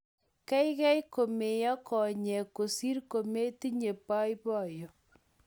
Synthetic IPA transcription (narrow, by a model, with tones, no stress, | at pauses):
kɛ˦jkɛ˦jko˨me˨jɔ˦kɔ˨ɲɛ˨ko˨si˦ɾko˨me˦ti˦ɲe˨pa˦jbɔ˦˨jɔ˨